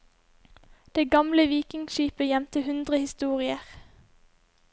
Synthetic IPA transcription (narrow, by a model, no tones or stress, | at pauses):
d̪̥eːɡɑmləʋiːkɪŋʃiːpəjɛmt̪əhʉnd̪ʁəhɪst̪uːʁɪəʁ